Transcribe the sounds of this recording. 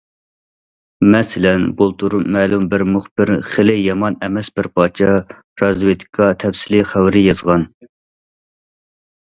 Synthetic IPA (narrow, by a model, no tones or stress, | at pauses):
mɛsɪlɛnbolˠt̪ʰuɾumːɛːlumbɪɾmuχb̥ɪɾχelɪjɑmɑnɛmɛsbɪɾpʰɑːt͡ʃʰɛ | ɾɑzwet̪ʰɪ̥kʰɑt̪ʰɛfsɪlɪχæwɾɪjɑzʁɑn